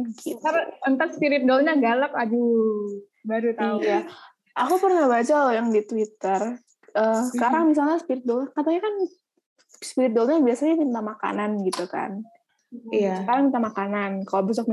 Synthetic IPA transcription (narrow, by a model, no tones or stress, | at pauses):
kit̪arənt̪atspiɾɪt̪̚dolɲaɡalak̚ad͡ʒu | baɾut̪aja | ʔakupərnahbad͡ʒalojaŋdit̪wit̪ər | ʔəkaɾaŋmis̬alɲaspiɾɪt̪̚dɔlɲakat̪aɲakan | spiɾɪt̪̚dɔlɲabiasaɲamint̪amaka̰nanɡit̪uka̰n | jakaɾaŋmint̪amakanankalobəs̬ɔk̚m